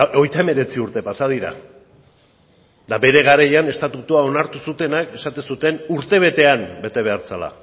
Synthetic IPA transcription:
o̞jt̪ae̞me̞ɾe̞t͡siuɾt̪e̞pasað̞iɾa̰ | d̪abe̞ɾe̞ɣaɾajane̞st̪at̪ut̪uao̞naɾt̪usut̪e̞nake̞sat̪esut̪e̞nuɾt̪e̞β̞e̞t̪e̞ambe̞t̪e̞β̞e̞aɾt͡sala̰

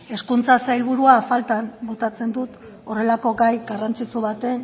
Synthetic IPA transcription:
e̞skunt͡sasajlβuɾuafalt̪ambot̪at͡se̞nd̪ut̪ | o̞re̞lako̞ɡajɡarant͡sit͡suβat̪e̞n

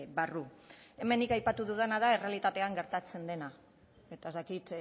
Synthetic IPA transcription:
βarue̞me̞nikajpat̪uðuðenaðae̞re̞alit̪at̪e̞aŋɡe̞ɾt̪at͡se̞nd̪e̞na | e̞t̪aezd̪akit̪

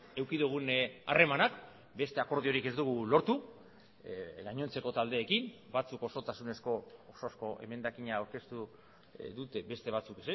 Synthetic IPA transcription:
e̞wkiðuɣ̞una̰re̞manak | be̞st̪e̞ako̞ɾð̞io̞ɾike̞zd̪uɣ̞ulo̞ɾt̪u | ɡaɲo̞nt͡se̞ko̞t̪ald̪e̞ːkim | bat͡suko̞so̞t̪asune̞sko̞ːsosko̞ʔe̞̰me̞nd̪akiɲaːwɾke̞st̪u | ðut̪e̞be̞st̪e̞β̞at͡sukese

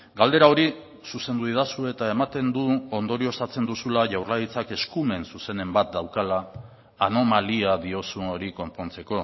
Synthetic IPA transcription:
ɡald̪e̞ɾao̞ɾi | suse̞nd̪uiðasue̞t̪ae̞mat̪e̞nd̪uo̞nd̪o̞ɾio̞st̪at͡se̞nd̪usulaʝawrlajit͡sake̞skume̞nsuse̞ne̞mbat̪̚d̪awkalaː | no̞maliaðio̞suno̞ɾiko̞mpo̞nt͡se̞ko̞

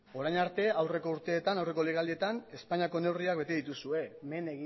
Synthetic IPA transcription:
o̞ɾajnaɾt̪e̞awre̞ko̞uɾt̪e̞ːt̪anawre̞koleɣalie̞t̪ane̞spaɲiako̞ne̞wriakbe̞t̪eðit̪usue̞meneɣi

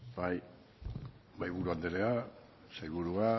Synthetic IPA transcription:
baj | bajβuɾuand̪eɾea | sejβuɾua

